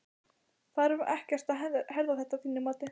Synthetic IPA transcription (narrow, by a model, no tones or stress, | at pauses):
θaðɾvʔɛhcɛr̥t̪ahɛɾðaθɛht̪aθiːnɪmaːt̪ɪ